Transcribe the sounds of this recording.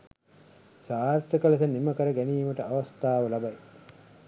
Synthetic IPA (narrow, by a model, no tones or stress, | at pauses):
saːɾt̪ɐkəlɐsɐniməkəɾəɡæniːməʈəaʋɐst̪aːʋɐlɐbaj